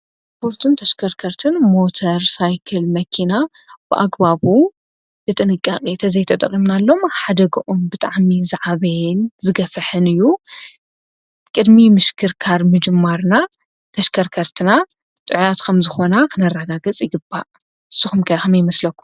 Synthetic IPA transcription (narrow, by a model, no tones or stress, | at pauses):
pʰo̞ɾt̪ʰɨnt̪ʰɐʃkʰɐɾkʰɐɾt̪ʰɨnmo̞t̪ʰɐɾsajkʰɐlmɐkʰina | b̥ɨʔa̰ɡbaβu | bɨt̪ʼɨnɨkʼːaχʼit̪ʰɐzɐjt̪ʰɐt̪ʼɐχʼimnalːo̞mħad̪ɐɡɐʔombɨt̪ʼaʕmizaʕaβɐjnzɨɡɐfɨħɨnɨjːu | kʼɨd̪mimɨʃkʰɨɾkʰaɾmɨd͡ʒɨmːaɾna | t̪ʰɐʃkʰɐɾkʰɐɾt̪ʰɨna | t̪ʼɨʕjat̪kʰɐmzɨxo̞nakʰɨnɐrːɐɡaɡɨt͡sʼjɪɡɨbːa | ɨsːɨxumkʰɐjxɐmjɪmɐslɐkːu̥